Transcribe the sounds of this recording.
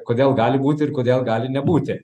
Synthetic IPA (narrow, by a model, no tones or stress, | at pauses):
kod̪ʲɛlˠɡaːlʲibuːt̪ʲeiɾkod̪ɛlˠɡaːlʲinɛbuːt̪ʲɛ